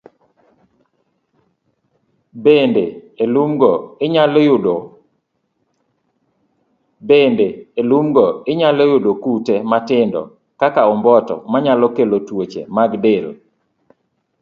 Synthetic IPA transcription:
bendeelumɡɔeɲaljʊdo | bendeelumɡɔɪɲalejʊdokutematɪndɔ̰ | kakaɔmbɔtɔ̰maɲalɔkelotwot͡ʃḛmaɡdɪl

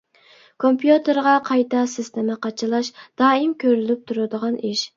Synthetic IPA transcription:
kʰompʰjut̪ʰɨɾʁɑqʰɑjt̪ʰɑsɪst̪ʰɪmɪqʰɑt͡ʃʰɨlˠɑʃd̪̥ɑːɪmkʲʰøɾylyp̚t̪ʰuɾɨd̪əʁɑnʔiʃ

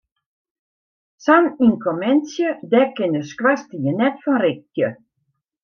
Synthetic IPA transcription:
saninkʰomɛnsjədɛkɪnəskwastəjənɛtfɔnrɪk̚ːjə

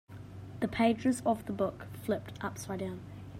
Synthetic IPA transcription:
ðəpʰeɪd͡ʒəzəvðəbʊkflɪp̚tʔʌpsaɪdãʊ̃n

